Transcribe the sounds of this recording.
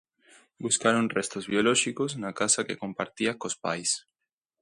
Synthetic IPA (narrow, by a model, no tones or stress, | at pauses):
buskaɾonrest̪ozβjoloʃikoznakasakḛkompaɾt̪iakospa̰js